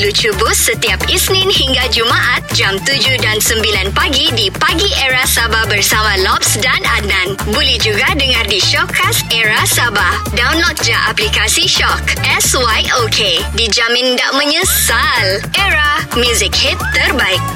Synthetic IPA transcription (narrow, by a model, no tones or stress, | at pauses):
lut͡ʃubʊssət̪iapisnɪ̃nhiŋɡad͡ʒumaʔat̪̚d͡ʒamt̪ud͡ʒudansəmbilanpaɡidipaɡiʔɛɾasababərsamãlɔp̚sdana̰nãnbulɛhd͡ʒuɡadəŋãrdiʃɔkːasɛɾasaba | dawnlɔk̚d͡ʒaʔaplikasiʃɔkʔɛswajokʰedid͡ʒamɪ̃nda̰ʔmə̃ɲə̃salʔɛɾamjuzɪk̚hit̪ːərbaɪk̚